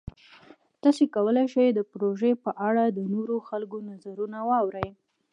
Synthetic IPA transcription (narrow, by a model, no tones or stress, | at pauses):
d̪̥ɑsekawəlajʃajd̪əpɾoʒepəʔaɽad̪ənoɾoxalkonazaɾunawɑwɾəj